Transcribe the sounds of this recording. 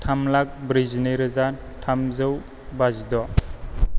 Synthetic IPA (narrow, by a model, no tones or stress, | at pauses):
tʰamlak̚bɾizneɾɯza | tʰamzɯw | bazdɔ